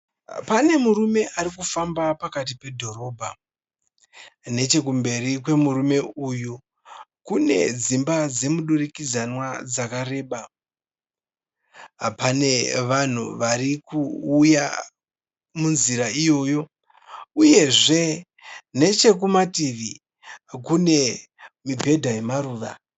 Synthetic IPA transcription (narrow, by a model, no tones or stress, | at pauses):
pane̞muɾume̞ʔaɾikufambapakat̬ipe̞dʱo̞ɾo̞ːbʱa | ne̞t͡ʃe̞k̬umbe̞rik̬we̞muɾume̞uju | kune̞̰d͡zimbad͡ze̞muɗurikid͡zanwad͡zakaɾe̞ːɓa | apane̞ʋan̤ṵʋarikuːja | munziɾaijo̞ːjo̞ | uje̞ʐe̞ | ne̞t͡ʃe̞k̬umatiʋi | kune̞ | mibʱe̞dʱaje̞maɾuːʋa̰